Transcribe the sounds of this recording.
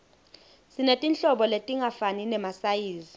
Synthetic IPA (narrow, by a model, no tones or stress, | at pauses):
sinetʼint͡ɬʼɔɓɔletʼiŋʱafaninɛmasajiːzi